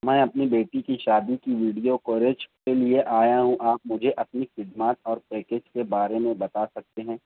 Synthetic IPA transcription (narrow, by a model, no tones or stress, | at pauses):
mɛ̃ːɐpnibeːʈikiʃaːd̪ikiʋiːɖijokoːɾeːd͡ʒkelieʔaːjaɦũʔaːp̚mʊd͡ʒʱeʔɐp̪nixɪd̪maːt̪ɔːɾpeːked͡ʒkebaːɾemẽbɐt̪asɐk̚t̪eɦɛ̃ː